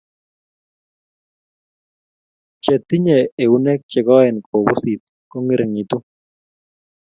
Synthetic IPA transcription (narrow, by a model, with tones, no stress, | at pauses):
t͡ʃɛ˨t̪ːi˦ɲɛ˨e˨u˨˦nɛ˦k̚t͡ʃɛ˨ɡɔ˦ɛ˨nkʰo˨bʊ˦si˨t̪̚ | kɔ˦ŋi˦ɾe˨ŋi˨t̪u˦